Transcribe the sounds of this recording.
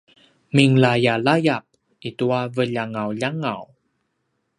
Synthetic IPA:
miŋlajalajap̚ | ituavəʎaŋawʎaŋa̰w

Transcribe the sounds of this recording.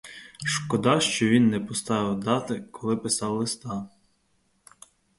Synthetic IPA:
ʃkɔd̪ɑʃt͡ʃɔʋʲinːɛpɔst̪ɑʋɪwd̪ɑt̪ɪkʰɔlˠɪpɪsɑwlˠɪst̪ɑ

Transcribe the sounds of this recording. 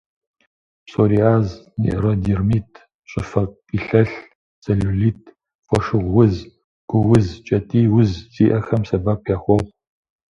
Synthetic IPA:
psoɾiaːznḭʔrɐdirmiːtʰ | ɕʼɪfɐqʼ | iɬɐɬ | t͡sɐɮuɮiːt̚ʰ | fʷɔʃɨʁʷːʊz | ɡ̥ʷʊwʊzt͡ʃʼɐtʼiːwʊzt͡sʼiːʔɐxɐmsɐbaːpʰjaːχʷɔʁʷ

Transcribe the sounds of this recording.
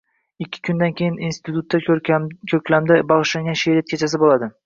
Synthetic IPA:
ɪkʲʰːɪ̥kʲʰʊnd̪ankʲʰejɪninst̪ʰɪt̪ʊt̪ːakʲʰɵkʲlamd̪ɪbɒʁɨʃlaŋɡʲanʃeɾat̪̚kʲʰet͡ʃʰas̬ɪbolad̪ɪ

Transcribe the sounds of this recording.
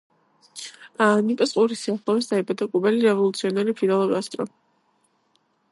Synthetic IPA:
anipʼɔsqʼuɾisiaχlˠɔvisd̪aibad̪akʼubɛliɾɛvɔlˠut̪sʰiɔnɛɾipʰilalˠɔɡast̪ʼɾɔ

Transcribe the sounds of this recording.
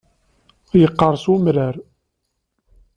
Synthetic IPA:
jəqːɑɾˤsumɾæɾ

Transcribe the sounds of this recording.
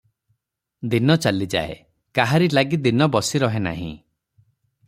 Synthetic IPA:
d̪inɔt͡ʃalid͡ʒa̰ḛ | kaɦaɾilaɡid̪inɔbɔsiɾɔɦena̰ɦḭ̃

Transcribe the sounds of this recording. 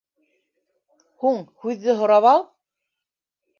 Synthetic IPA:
huɴhʉðːɘɦŏɾɑβɑlˠ

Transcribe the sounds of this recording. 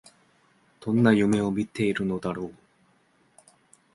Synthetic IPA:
d̪̥õ̞nːajɯ̟me̞o̞mʲit̪ːe̞iɾɯ̟no̞d̪aɾoː

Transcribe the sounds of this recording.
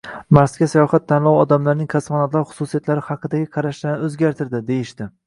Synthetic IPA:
maɾsɡʲasajɒχat̪ʰːanlˠɒwɒd̪amlaɾnɪŋkʲʰasmanɒt̪lˠaɾχʊ̥susijat̪laɾɪhɑqʰːɨd̪aɡʲɪqʰɑɾaʃlanɵzɡʲaɾt̪ʰɪɾd̪ɪd̪e̞jɪʃd̪ɪ

